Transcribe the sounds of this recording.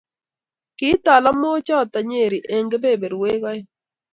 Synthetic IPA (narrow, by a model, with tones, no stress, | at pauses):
kɪ˦t̪a˨la˦mo˦t͡ʃɔ˦˨t̪a˨ɲe˦˨ɾi˨ʔe˨ŋɡe˦be˦˨be˨ɾwe˦ɣa˦ɪ˦